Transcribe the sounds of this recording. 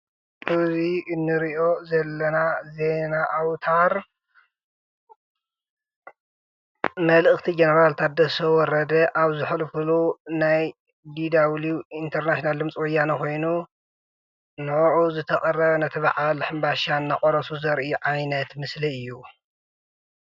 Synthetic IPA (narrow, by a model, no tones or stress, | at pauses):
ʔɨziɨnːɨɾiʔo̞zɐlːɐnaze̞naʔawt̪ʰaɾ | mɐlɨxt̪ʰid͡ʒenɐɾalt̪ʰat̪̚d̪ɐsɐwɔɾɐd̪ɐʔaβzɨħlɨfɨlunaj | d̪id̪awliint̪ʰɐɾnaʃonald̪ɨmt͡sʼwɔjanɐkʰo̞jnu | nɨʔʕuzɨt̪ʰɐkʼɐrɐβnɐt̪ʰɐβaʕalħɨmbaʃanːakʼɔɾɐsuzɐɾʔiuʕajnɐt̪mɨsliɨjːu